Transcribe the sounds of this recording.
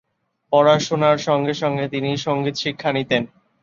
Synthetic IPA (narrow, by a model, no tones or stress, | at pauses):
pɔɾaʃonaɾʃɔŋɡeʃɔŋɡet̪iniʃoŋɡit̪ʃikʰːanit̪en